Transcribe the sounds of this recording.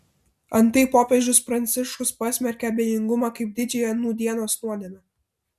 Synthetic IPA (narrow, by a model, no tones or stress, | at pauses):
ɐnt̪ɐɪpoːpʲeʒʲʊspɾɐnʲt̪sʲɪʃkʊspɐsʲmʲɛɾʲkʲɛɐbʲejʲɪŋɡʊmɑːkɐɪp̚d̪ʲɪd͡ʒʲɛjnuːd̪ʲiɛnoːɐst̪uɔd̪ʲiɛnɐ